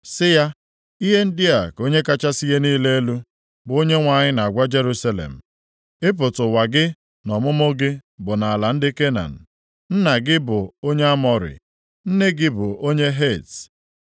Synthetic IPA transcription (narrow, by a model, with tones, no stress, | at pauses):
sɪ˦ja˦ | i˦ɦe˦n̩˦dɪ˦a˨ko˦ɲe˦ka˦t͡ʃa˦si˦ɦe˦niː˦le˦e˦lu˦ | bʊ˨˦o˦ɲe˦ŋʷa˨ɲɪ˦na˨a˨ɡʷa˦d͡ʒe˦ɾu˦sa˦lḛ˨m̩˨ | ɪ˦p̬ʊ˨tʊ˨wa˨ɡɪ˦ | nɔ˨mʊ˦mʊ˦ɡɪ˦bʊ˨na˨a˨la˨n̩˦dɪ˦ke˦na̰˨n̩˨ | n̩˦na˨ɡɪ˦bʊ˨o˦ɲe˦a˦mɔ˨ɾɪ̰˨ | n̩˦ne˦ɡɪ˦bʊ˨ʔo˦ɲe˦ɦe˦˨ts